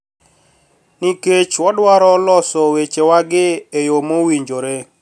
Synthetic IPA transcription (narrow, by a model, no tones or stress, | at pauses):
niket͡ʃwɔdwaɾɔlɔsɔwet͡ʃewaɡɪejomowiɲd͡ʒoɾe